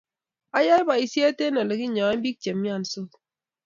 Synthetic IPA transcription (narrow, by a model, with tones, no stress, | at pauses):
a˦ja˦ba˨i˨se˦a˦te˦nɔ˨le˨ki˦ɲɔ˨a˦m̩˦bi˦k̚t͡ʃe˨mː˦ja˦˨n˨so˦